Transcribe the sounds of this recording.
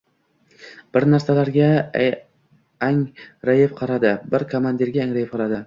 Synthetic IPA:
b̥ɪɾnaɾsalaɾɡʲa | aŋɾajɪfqʰɑɾad̪ɪbɪɾkʰomand̪iɾɡʲaaŋɾajɪpqʰɑɾad̪ɪ

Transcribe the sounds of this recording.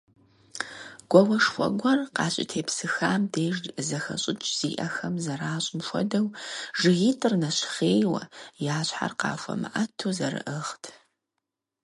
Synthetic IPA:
ɡ̥ʷɔwɐʂxʷɔ̰ɡʷɔrqɑːɕʼɪ̰tʰeːpsɨxaːmdeːʒdzɐxɐ̰ɕʼɪt͡ʃʼz̥iːʔɐxɐmzɐɾaːɕʼɪmʃʷɔ̰dɐwʐɨɣiːtʼɨrnɐɕχeːjwɐ̰jaːɕħa̰rqɑ̰ːfʷɔ̰mɨ̰ʔɐtʰuːzɐɾɨ̰ʔɨχtʰ

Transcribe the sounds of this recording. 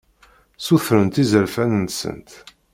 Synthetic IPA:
suθɾənt̪izəlfænənsə̰nt̪

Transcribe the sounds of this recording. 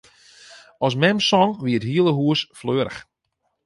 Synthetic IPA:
ɔsmɛmsɔŋʋiətɦiəlˠəɦuəsfløːɾə̰x

